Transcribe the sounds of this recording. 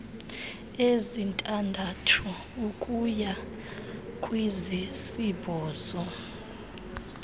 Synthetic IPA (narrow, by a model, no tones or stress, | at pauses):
ezintʼandʱatʰu | ukʼuja | kʼwizisibɔːzɔ